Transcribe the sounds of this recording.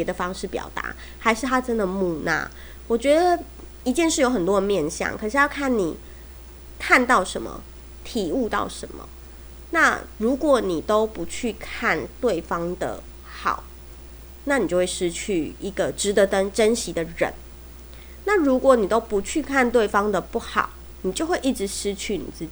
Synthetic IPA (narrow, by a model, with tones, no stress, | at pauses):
pjɛ˧˥d̪ə˨fɑ˥ŋʂɻ̩˥˩pjɑ̰˨˩ʊt̪a̰˧˥˦ | ha˧˥ɪʂɻ̩˥˩t̪ʰa˥ʈ͡ʂə˥˦nd̪ə˨mu˥˧na̰˥˩ | wɔ˨˩t͡ɕɥɛ˧˥d̪ə˨ | i˧˦t͡ɕjɛ˥˧nʂɻ̩˥˩jo˧˥ʊxə˨˩nt̪wɔ˥˦d̪ə˧mjɛ˥˧nɕjɑ̰˥˨˩ŋkʰɤ˨˩ʂɻ̩˥˩˨jɑ˥˩ʊkʰa˥˩nni˨˩ | kʰa˥˧nt̪ɑ˥˩ʊʂə˧˦nmə̰˨ | t̪ʰi˨˩u˥˧t̪ɑ̰˥˩ʊʂə̰˧˦nmə̰˨ | na˥˩ɻu˧˥kwɔ˨˩ni˨˩t̪o˥ʊpu˨˦t͡ɕʰy˥˧kʰa˥˨nt̪we˥˩ɪfɑ˥ŋd̪ə̰˩ | xɑ̰˨˩˦ʊ | na˥˩ni˨˩t͡ɕjo˥˧ʊwe˥˩ʂɻ̩˦t͡ɕʰy˥˨i˧˥ɡə˨˩ʈ͡ʂɻ̩˧˦t̪ə˧˦tə˦nʈ͡ʂə˦nɕi˧˥d̪ə˨ɻə̰˧˦n | na˥˨ɻu˧˥kwɔ˧˦ni˨˩t̪o˥ʊpu˨˧˥t͡ɕʰy˥˧kʰa˥˧nt̪we˥˩ɪfɑ˥ŋd̪ə˨pu˥˩xɑ̰˨˩˦ʊ | ni˨˩t͡ɕjo˥˧ʊxwe˥˧ɪʔi˥˩ʈ͡ʂɻ̩˧˦ʂɻ̩˥t͡ɕʰy˥˩nḭ˨˩t͡sɹ̩˥˩t͡ɕi˨